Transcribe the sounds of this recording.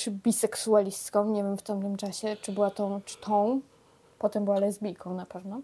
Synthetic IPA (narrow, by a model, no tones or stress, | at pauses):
t͡ʂbʲisɛksualʲist̪kɔ̃w̃ɲevʲjɛmft̪amt̪ɘmt͡ʂaɕɛt͡ʂɘbɘwat̪ɔ̃w̃t͡ʂt̪ʰɔ̃w̃ | pɔt̪ɛmbɘwalɛzbʲijkʰɔ̃w̃napɛvnɔ